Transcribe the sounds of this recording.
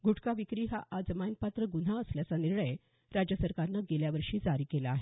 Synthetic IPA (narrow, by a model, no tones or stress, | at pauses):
ɡuʈʰkaʋikɾiːɦaʔad͡zəmanpat̪ɾəɡun̤aəsljat͡saniɾɳəj | ɾad͡ʑjəsəɾkaɾnəɡeljaʋəɾʂiːd͡zaɾiːkelaːɦe